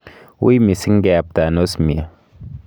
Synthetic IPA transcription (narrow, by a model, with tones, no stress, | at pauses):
wṵ˦i˦mi˨si˦ŋ̩˦ɡɛ˨p̚ta˨no˦smi˨a˨